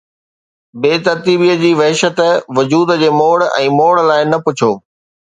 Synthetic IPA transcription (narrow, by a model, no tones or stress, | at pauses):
beːt̪ɐɾt̪iːbiːəd͡ʑiːʋɐɦɪʃət̪ʋʊd͡ʑuːd̪d͡ʑeːmoːɽɛ̰̃ːmoːɽlaːɪnɐpʊt͡ɕʰoː